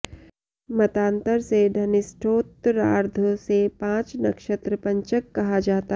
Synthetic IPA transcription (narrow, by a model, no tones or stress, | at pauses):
mɐt̪ãːnt̪əɾseɖʱɐnɪsʈʰoːt̪ɾaːɾd̪ʱosepãːt͡ʃnɐkʃət̪ɾəpɐ̃ɲt͡ʃəkːɐɦad͡ʒaːt̪a